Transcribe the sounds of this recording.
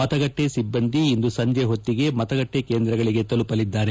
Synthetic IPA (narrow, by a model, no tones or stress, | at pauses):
mɐt̪ɐɡɐʈːesibːɐnd̪iːnd̪usɐɲd͡ʒeɦo̞t̪ːiɡe̞mɐt̪ɐɡɐʈːeke̞ːnd̪ɾɐɡɐɭiɡe̞t̪ɐlupɐlid̪ːaːɾe